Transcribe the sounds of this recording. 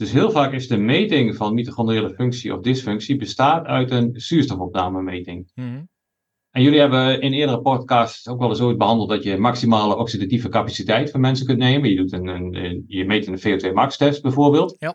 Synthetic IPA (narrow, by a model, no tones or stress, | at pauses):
d̥øsɦɪəlˠvaːkɪsdəmejtɪŋvɑnmitəxɔndəreːələføŋksiʔɔ̰fdɪsføŋksibəstaːtœ̰ɥtənsyəstɔfɔp̚naːməmeːtɪŋ | ʔɛnjøliɦɛbəɪnɪːədərəpɔtkastsowkʋɛlˠəsoit̚bəɦɑndəlˠt̚dɔtjəmaksimaːləʔɔksidativəkapasitɛjtfɔnmɛnsəkɵntneːmənjədutənjəmeːtənfeoːtʋeːmakstɛfsbɛjvoːrbeːlˠt